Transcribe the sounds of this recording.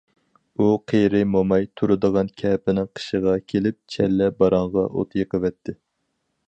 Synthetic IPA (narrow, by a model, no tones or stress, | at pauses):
uqʰejɾɪmomɑjt̪ʰuɾɨd̪əʁɑnkʲʰɛpɪnɪŋqʰə̥ʃəʁɑkʲʰelɪp̚t͡ʃʰɛlːɛbɑɾɑɴʁɑʔo̰t̪ʰjɨqəvɛt̪ʰːɪ